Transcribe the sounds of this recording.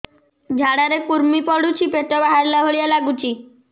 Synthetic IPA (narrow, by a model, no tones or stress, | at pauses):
d͡ʒʱaɽaɾekuɾmipɔɽut͡ʃʰipeʈɔbaɦaɾlaɦoɭijalaɡut͡ʃʰi